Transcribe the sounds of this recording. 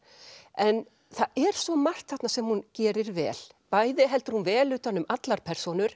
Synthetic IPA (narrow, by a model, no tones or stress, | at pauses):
ɛn | θaɛɾ̥svɔmar̥t̪θaht̪nasɛmhuncɛːɾɪɾvɛ̰ːlpaːjðɪɦɛlt̪ɪɾ̥hunvɛːlʏːt̪anːʏmʔat̪laɾ̥pʰɛr̥sɔnʏɾ̥